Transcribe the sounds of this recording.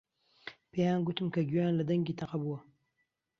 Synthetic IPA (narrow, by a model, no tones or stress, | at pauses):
pʰejaːnɡut̪ɨmkɐɡyjaːnlɐd̪ɐŋɡiːt̪ʰɐqɐbuwɐ